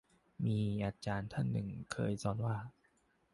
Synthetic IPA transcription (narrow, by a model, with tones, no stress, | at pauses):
miː˧ʔa˧t͡ɕaː˧nt̪ʰa˥˩nːɯ˨˩ŋkʰɤː˧jsɔː˧nwaː˥˩